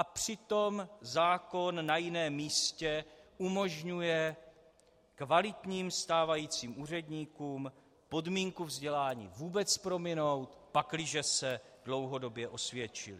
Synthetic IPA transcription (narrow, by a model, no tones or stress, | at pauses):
ʔapr̝̥ɪt̪o̞mzaːko̞nːajɪnɛːmiːscɛʔumo̞ʒɲujɛ | kvalɪt̪ɲiːmst̪aːvajiːt͡siːmʔuːr̝ɛdɲiːkuːm | po̞dmiːŋkuvzɟɛlaːɲḭːvuːbɛt͡spɾo̞mɪno̞wt̪paklɪʒɛsɛ | dlo̞wɦo̞do̞bjɛʔo̞svjɛt͡ʃɪ̰lɪ̰